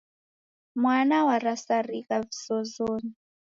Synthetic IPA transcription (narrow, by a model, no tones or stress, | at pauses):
mwanawaɾasarikavisɔzoːni